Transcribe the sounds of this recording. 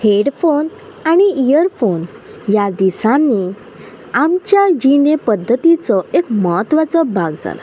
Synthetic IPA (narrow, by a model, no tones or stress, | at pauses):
heɽfon | aɽ̃iijəɾfon | jad̪isãnːi | amt͡ɕjad͡ʑinepəd̪ʱːət̪it͡sɔekməɦət̪ʋat͡sɔbaɡd͡za̰la̰